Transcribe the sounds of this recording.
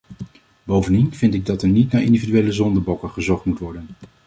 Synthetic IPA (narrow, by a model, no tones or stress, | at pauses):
bowvəndinvɪntɪɡ̚dɑtəɹnitnaːɹɪ̰ndividyʋejləzɔndəbɔkəχəzɔχtmutʋɔɹdən